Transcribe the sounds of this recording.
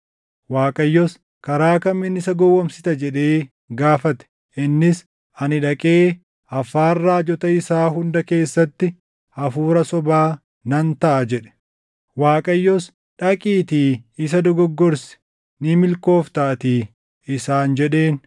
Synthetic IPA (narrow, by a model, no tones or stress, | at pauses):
waːkʼɐjːɔs | kɐɾaːkɐmːɪnːɪsɐɡɔwːɐmsɪt̪ɐd͡ʒɛᶑe̞ː | ɡaːfɐt̪ɛ̥ | ʔɪnːɪs | ɐnɪᶑɐkʼe̞ː | ɐfaːrːaːd͡ʒɔt̪ɐɪsaːɦʊnd̪ɐke̞ːsːɐt̪ːɪ | ɐfuːɾɐsɔbaː | nɐnt̪ɐʔɐd͡ʒɛᶑɛ̥ | waːkʼɐjːɔs | ᶑɐkʼiːt̪iːɪs̬ɐd̪ɔɡɔɡːɔɾsɪ̥ | nɪmɪlko̞ːft̪ɐʔt̪iː | ɪsaːnd͡ʒɛᶑeːn